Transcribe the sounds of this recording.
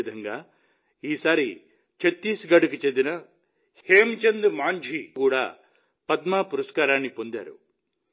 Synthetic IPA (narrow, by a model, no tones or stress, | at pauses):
d̪ʱɐŋɡaː | iːsaːɾi | t͡ʃet̪ːiːsɡɐɽukit͡ʃend̪inɐ | heːmt͡ʃend̪maːɲd͡ʒʱikuːɽa̰ː | pɐd̪maːpuɾɐskaːɾaːnːipond̪a̰ːɾṵ